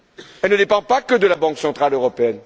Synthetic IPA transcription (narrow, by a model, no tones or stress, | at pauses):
ɛlnəd̪epɑ̃pakəd̪əlabɑ̃ksɑ̃t̪χaløʁɔpeɛn